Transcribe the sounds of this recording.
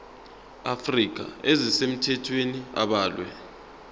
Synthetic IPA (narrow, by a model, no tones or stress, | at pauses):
afrik̬ʼa̰ezisem̩tʰɛtʰwenia̰ɓaːlwɛ̰